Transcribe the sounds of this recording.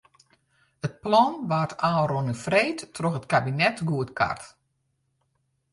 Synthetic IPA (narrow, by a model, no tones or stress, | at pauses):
ət̚plɔnʋaːtʰaːronəfreːtːroxətkabinɛtɡuətka̰rt